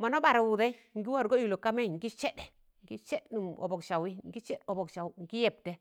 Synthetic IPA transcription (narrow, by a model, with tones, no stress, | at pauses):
ma˨no˦ba˨ɾa˨wu˨de˦i˦ŋɡi˦wa˦˨ɾɡo˦ji˨lo˨ka˦me˦˨ŋ˨ɡi˦t͡ʃe˦ɗe˨ | ŋɡi˦t͡ʃe˦ɗnu˨mo̰˨bo˨kʃa˨wi˦ŋ˦ɡi˦t͡ʃe˦ɗo˨bo˨kʃa˨wŋ˨ɡi˦je˨p̚te˦